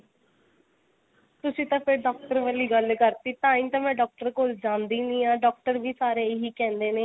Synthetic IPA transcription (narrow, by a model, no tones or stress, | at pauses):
t̪ʊsĩːt̪ãːpʰɪɾɖɔːk̚ʈəɾʋəlːiːɡəlkəɾt̪iːt̪ãːĩːt̪ãːmɛ̃ːɖɔːk̚ʈəɾkoːld͡ʒãːnd̪iːnĩːãːɖɔːk̚ʈəɾʋiːsaːɾeːɪɦiːkɛ̃ːnd̪eːneː